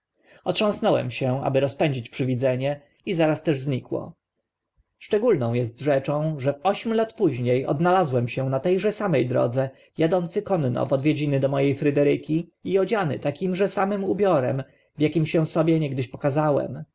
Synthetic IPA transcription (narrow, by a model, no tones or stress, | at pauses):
ɔtʂɔ̃w̃snɔwɛ̰mɕɛa̰bɘɾɔspɛɲd͡ʑit͡ɕpʂɘvʲid̪zɛɲɛ | izaɾast̪ɛʐzɲikwɔ̰ | ʂt͡ʂɛɡulnɔ̃w̃jɛst̪ʐɛt͡ʂɔ̃w̃ʐɛvɔɕmʲlat̪puʑɲejɔ̰d̪nalazwɛmɕɛ̃nat̪ɛjʐɛsamɛjd̪ɾɔ̰d̪zɛ | jad̪ɔnt̪sɘkɔnːɔ̰vɔd̪vʲjed͡ʑinɘd̪ɔmɔjejfɾɘd̪ɛɾɘkʲiiɔd͡ʑanɘ̰t̪akʲimʐɛsamɘmubʲjɔɾɛm | vjakʲimɕɛ̃sɔbʲjɛɲɛɡd̪ɘɕpɔ̥kazawɛ̰m